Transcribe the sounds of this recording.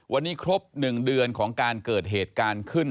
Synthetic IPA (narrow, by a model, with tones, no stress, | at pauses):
wʔa˧nːiː˦˥kʰɾo˦˥p̚nɯ˨˩ŋdɯ˧ənkʰɔː˩˦ŋkaː˧nkɤː˨˩t̪̚ɦeː˨˩t̪̚kaː˧nkʰɯ˥˩n